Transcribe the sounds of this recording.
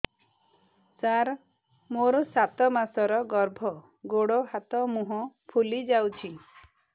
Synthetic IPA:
saɾ | moɾɔsat̪ɔmasɔɾɔɡɔɾbʱɔ | ɡoɽoɦat̪ɔmuɦɔ̃pʰulid͡ʒawt͡ʃʰi

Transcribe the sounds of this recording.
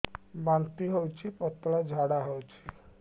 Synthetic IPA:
bant̪iɦowt͡ʃʰipɔt̪ːɔlad͡ʒʱaɽaɦɔwt͡ʃʰi̥

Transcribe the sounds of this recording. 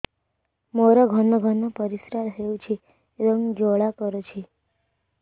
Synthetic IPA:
moɾəɡʱənːəɡʱənːəpəɾisɾaɾɦewt͡ɕʰi | ɾəŋd͡ʑoɭakəɾət͡ɕʰi

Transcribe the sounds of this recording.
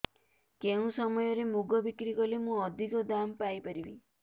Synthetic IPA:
keũsɔmɔjɔɾemuɡɔbikɾikɔlemũɔd̪ʱikɔd̪ampajpɔɾibi

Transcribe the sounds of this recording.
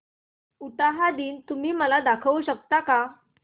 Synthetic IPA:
uʈaɦad̪iːnt̪um̤iːməlad̪akʰəʋɕək̚t̪aka

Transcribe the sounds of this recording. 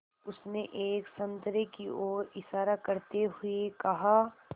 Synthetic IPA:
ʊsneʔeːksɐ̃nt̪ɾekioːɾɪʃaːɾakɐɾt̪eɦʊekɐɦaː

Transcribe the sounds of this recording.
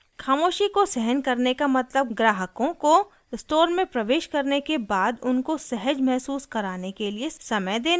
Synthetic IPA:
xaːmoːʃikosɛɦənkɐɾnekamɐt̪ləb̚ɡɾaːɦəkõko | ɪsʈoːɾmẽpɾɐʋeːʃkɐɾnekebaːd̪ʊnkosɛɦəd͡ʒmɛɦsuːskɐɾaːnekeliesɐməjd̪eːn

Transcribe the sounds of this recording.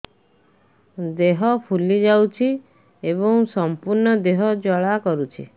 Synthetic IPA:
d̪eɦɔpʰulid͡ʒawt͡ʃʰi | ebɔŋsɔmpuɾnɔd̪eɦɔd͡ʒɔɭakɔɾut͡ʃʰi

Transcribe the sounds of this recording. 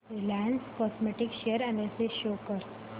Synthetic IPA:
elæ̃nskɔsmeʈɪkʃeəɾæ̃ɳelseʃoːkəɾ

